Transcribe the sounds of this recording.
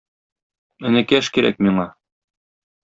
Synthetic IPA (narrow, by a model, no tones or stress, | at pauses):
ɘ̆nɘ̆kæʃkiɾæ̰k̚miɴɑ